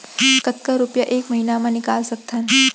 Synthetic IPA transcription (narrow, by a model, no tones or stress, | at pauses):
kət̪kəɾupjəʔekməɦinamanikalsək̚t̪ʰan